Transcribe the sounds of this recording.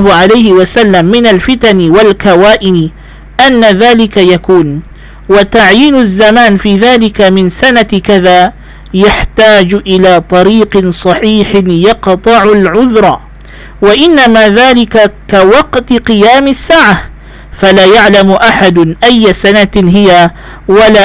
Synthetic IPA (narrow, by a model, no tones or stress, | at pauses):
ʕalajhɪwasalːamːɪnalfɪt̪anɪwalkawaːʔɪnɪ | ʔanːaðaːlɪkajakuːn | wat̪aʕjiːnzːamaːnfiːðaːlɪkamɪnsanakaðaː | jaħt̪aːd͡ʒʔɪlaːt̪ˤɑɾiːqɪnsˤɑħiːħɪnjɑqt̪ˤɨʕʊlʕʊðɾˤɑː | waʔɪnːamaːðaːlɪkakawɑqt̪qɨjaːmasːaːʕa | falaːjaʕlamʔaħad̪ʊʔajːasanaɦɪja | walaː